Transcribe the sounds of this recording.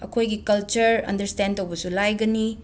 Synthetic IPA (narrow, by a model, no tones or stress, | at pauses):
ɐkʰojɡikɐlt͡ʃɐɾɐ̰ndɐɾstentʰowbɐsulajɡɐni